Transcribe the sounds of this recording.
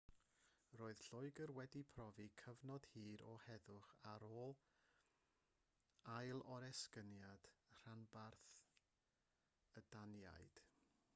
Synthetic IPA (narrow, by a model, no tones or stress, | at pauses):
roːɨð̥ɬʊɨɡərwɛdipʰrɔvikʰəvnɔd̥hiːɾɔhɛðʊχaɾoːlˠ | ajlˠɔɾɛskənjad̥r̥anbarθθ | ədanja̰jd̥